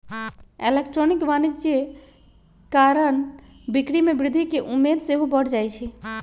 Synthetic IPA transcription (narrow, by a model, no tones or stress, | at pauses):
elekʈɾonikʋanid͡ʒd͡ʒe | kaɾəɳ | bikɽimebɾɪd̪ʱikeʔumːed̪seɦubəɽd͡ʒajt͡ʃʰɛ